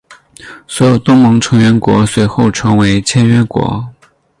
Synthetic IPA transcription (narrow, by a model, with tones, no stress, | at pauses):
swɔ˧˥jo˨˩ʊt̪ʊ˥ŋmɤ˧˥ŋʈ͡ʂʰɤ˧˥ŋɥɛ˧˥nkwɔ̰˧˥swe˧˥ɪxo˥˩ʊʈ͡ʂʰɤ˧˥ŋwe˧˥ɪt͡ɕʰjɛ˥nɥɛ˥nkwɔ̰˧˥